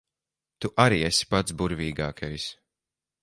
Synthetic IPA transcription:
t̪uʔaɾiːesʲi̥pat̪sbuɾvʲiːɡaːkʰajs

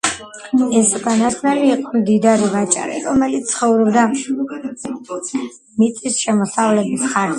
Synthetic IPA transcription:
ɛsukʼanasnaliːqʼɔmd̪id̪aɾivat͡ʃʼa̰ɾḭɾɔmɛlit̪ssʰχɔvɾɔbd̪a | mit̪sʼisʃɛmɔsavlɛbisχaɾ

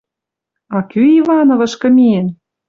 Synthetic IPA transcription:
ɑkyivɑnovɤ̆ʃkɤ̆mien

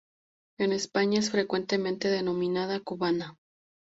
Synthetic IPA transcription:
e̞ne̞spaɲaes̬fɾe̞kwe̞nt̪e̞mẽ̞nt̪e̞ðe̞nõ̞mĩnað̞akuβana

